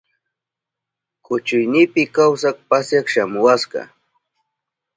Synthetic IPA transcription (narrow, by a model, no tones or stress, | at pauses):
kʊt͡ʃʊjnɪpɪkawsak̚pasjakʃamʊwasɢɑ̰